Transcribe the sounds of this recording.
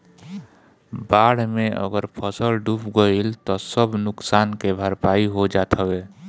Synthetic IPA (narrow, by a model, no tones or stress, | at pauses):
baɽ̤meʔə̰ɡəɾpʰəsəlɖupʰɡəilt̪ɔsəbnʊksankebʱəɾpaiɦod͡ʒat̪ʰəwe